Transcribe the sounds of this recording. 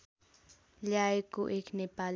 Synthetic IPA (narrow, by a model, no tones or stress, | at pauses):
ʎajkʊʔɪknɪpal